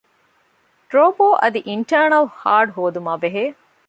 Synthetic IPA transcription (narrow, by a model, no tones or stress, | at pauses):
ʈɾoːpoːʔɐd̪iʔiɳʈɐːɾɳɐlhaːɖɦoːd̪umaːbeɦeː